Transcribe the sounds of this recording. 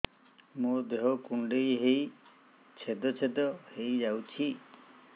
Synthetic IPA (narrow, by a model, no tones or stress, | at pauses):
mod̪eɦɔkuɳɖejɦej | t͡ʃʰed̪ɔt͡ʃʰed̪ɔhejd͡ʒawt͡ʃʰi